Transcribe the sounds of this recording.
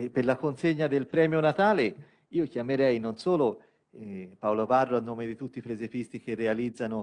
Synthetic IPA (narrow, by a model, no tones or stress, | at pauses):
perlakonseɲːad̪elpɾɛːmjonat̪aːle | iːokjameɾɛjnonsoːlo | paolovarːoanːoːmed̪it̪ut̪ːipɾezepist̪ik̟erːealid̪zːano